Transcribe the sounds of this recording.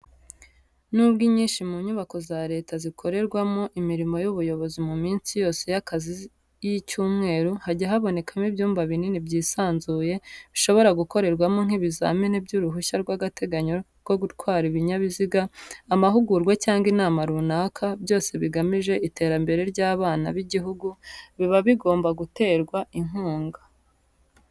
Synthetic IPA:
nubɡiɲiːnʃimuɲuβako̞zaɾe̞ːtazikʰo̞ɾe̞ɾɡwamoʔimiɾimo̞juβujo̞βo̞zimumiːnsijo̞ːse̞jakazi | jicuːmŋe̞ːɾuhaɟaɦaβo̞ne̞kamibjuːmbaβininibɟiːsaːnzuːje̞βiʃo̞βo̞ɾaɡuko̞ɾe̞ɾɡwamoŋ̥iβiza̰ːminibɟuɾuɦuçaɾɡwaɡate̞ɡaɲoɾɡo̞ɡutkwaːɾiβiɲaβiziɡaːmaɦuɡuɾɡwecaːŋɡinaːmaɾunakʰabjo̞ːse̞βiɡamiʒe̞ʔite̞ːɾambe̞ɾe̞ɾɟaːβaːna̰βiɟiɦuɡuβiβaβiɡo̞ːmbaɡute̞ːɾɡwaiŋ̥huːŋɡa

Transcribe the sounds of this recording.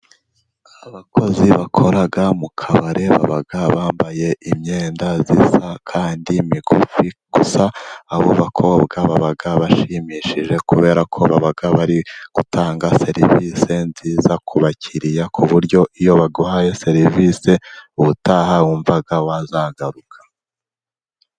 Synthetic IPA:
aβakʰo̞ziβakʰo̞ɾaɡamukʰaβaɾʔe̞βa̰βaɡaβaːmbaje̞ʔimɲe̞ːndazisakʰaːndimiɡofiɡ̥usaːβo̰βakʰo̞bɡaβaβaɡaβaʃimiːʃiʒe̞kuβe̞ːɾakʰo̞βaβaɡaβaɾiɡ̥utʰaːŋɡase̞ɾḭvise̞nziːzakʰuβacʰiɾijakʰuβuɾɟo̞ʔijo̞βaɡohajese̞ɾivise̞uβutahawuɱvaɡawazaːɡaɾukʰḁ

